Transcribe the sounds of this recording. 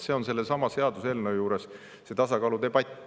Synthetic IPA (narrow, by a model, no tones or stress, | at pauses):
se̞o̞nse̞lːesɑmɑse̞ɑd̪uselnejuːɾe̞s | se̞t̪ɑsɑkɑːlud̪e̞b̥ɑt̪ʲː